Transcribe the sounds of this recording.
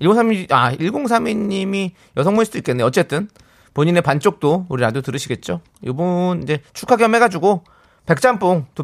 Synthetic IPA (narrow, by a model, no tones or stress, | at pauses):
iɭɡoŋsʰamiaiɭɡoŋs̬ʰamiɲːimi | jʌsʰʌŋmunsʰud̥oik͈e̞nːeʌtt͡ɕ͈e̞t͈ɯn | poɲine̞pant͡ɕ͈ok̚t͈ouɾinadotɯɾɯɕʰiɡe̞t̚t͡ɕ͈o | jobonind͡ʑet͡ɕʰukʰaɡjʌme̞ɡad͡ʑuɡo | pe̞k̚t͡ɕ͈amp͈oŋto